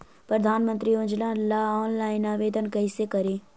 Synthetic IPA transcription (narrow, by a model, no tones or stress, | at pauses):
pɾəd̪ʱaːnmə̃nt̪ɾiond͡ʒlãːlaːɔːnlaːɪnaːʋeːd̪ʱənkɐɪsekɐɾeː